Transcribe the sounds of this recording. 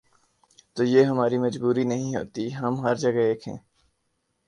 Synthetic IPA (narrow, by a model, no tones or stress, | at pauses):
t̪oːjeːɦɐmaːɾimɐd͡ʒbuːɾinɐɦĩɦo̰ːt̪iɦɐmɦɐɾd͡ʒɐɡeːkɦɛ̰̃ː